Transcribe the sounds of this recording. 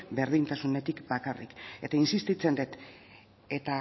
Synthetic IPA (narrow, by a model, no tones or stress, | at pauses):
be̞ɾð̞int̪asune̞t̪ikbakarḭke̞t̪ainsist̪it͡se̞nd̪et̪ | e̞t̪a